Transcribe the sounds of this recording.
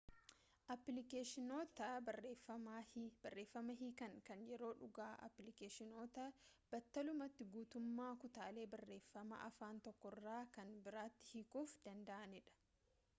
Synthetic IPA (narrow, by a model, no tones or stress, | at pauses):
ʔɐpːlɪkeːʃɪnoːt̪ɐeːfɐab̥ɐrːe̞ːfːɐmɐɦikɐŋkɐnjɛɾo̞ːᶑʊɡaːʔɐ̰pːlɪkeːʃɪno̞ːt̪ɐb̥ɐt̪ːɐlʊmɐt̪ːɪɡuːt̪ʊmːaːkʊt̪aːle̞ːbɐrːe̞ːfːɐmɐ̰ʔɐfaːnt̪ɔkːɔrːaːkɐnbɪɾaːt̪ːɪ̥hɪkuːfd̪̥ɐnd̪ɐʔɐnɪᶑɐ̥